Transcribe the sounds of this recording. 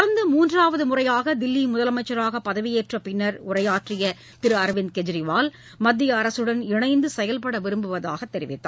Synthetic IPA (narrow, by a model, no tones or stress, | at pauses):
ɐɾɐnd̪ɐmuːndraːʋɐðɯmʊrɐjaːɣɐd̪ɪlːimʊðɐlɐmɐɪt͡ʃːɐɾaːɣɐpɐðɐʋɪjeːʈrɐpɪnːɐɾʊrɐjaːʈrɪjɐ | t̪ɪɾɯɐɾʋɪnd̪kɛd͡ʒɾɪʋaːl | mɐd̪ːɪjɐːɾɐsɯɽɐnɪɳɐɪnd̪ɯsɛjɐlpɐɽɐʋɪɾɯmbɯʋɐðaːɣɐt̪ːɛɾɪ̰ʋɪ̰t̪ːa̰ː